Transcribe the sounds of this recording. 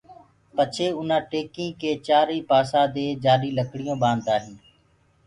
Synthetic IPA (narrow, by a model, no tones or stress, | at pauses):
pət͡ʃʰeːʊnãːʈeːkĩːkeːt͡ʃaːɾiːpaːsãːd̪eːd͡ʒaːɾiːləkɽɪjõːɓãːnd̪aːɦĩː